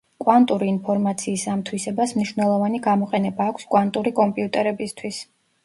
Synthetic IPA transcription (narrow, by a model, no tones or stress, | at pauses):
kʼwant̪ʼuɾiːnpʰɔɾmat̪sʰiːsamt̪ʰwisɛbasmniʃvnɛlˠɔvaniɡamɔqʼɛnɛbaːkʷʰskʼwant̪ʼuɾikʼɔmpʼiut̪ʼɛɾɛbist̪ʰwis